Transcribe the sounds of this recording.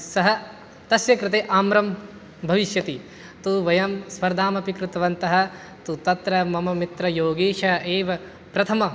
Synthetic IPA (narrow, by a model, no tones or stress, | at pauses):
sɐɦɐ | t̪ɐsjɐkɾɪt̪eːʔaːmɾɐm | bʱɐʋiʃjɐt̪i | t̪uʋɐjɐmspɐɾd̪ʱaːmɐpikɾut̪ɐʋɐnt̪ɐɦɐ̆ | t̪ut̪ɐt̪ɾɐmɐmɐmit̪ɾɐjoːɡeːʂɐɐeːʋɐ | pɾɐt̪ʰɐmɐ